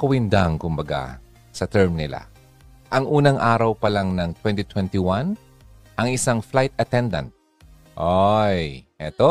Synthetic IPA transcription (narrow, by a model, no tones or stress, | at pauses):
kɐwɪnd̪aŋkʊmbɐɡa̰ | sɐt̪ɛɹmnɪla̰ | ʔɐŋʔuːnɐŋʔaːɾɐwpɐlaŋnɐŋt̪wɛ̃nt̪it̪wɛnt̪iwan | ʔɐŋɪsaŋflajt̪̚ɐt̪ɛnd̪ɐ̰nt̪̚ | ʔojʔɛt̪o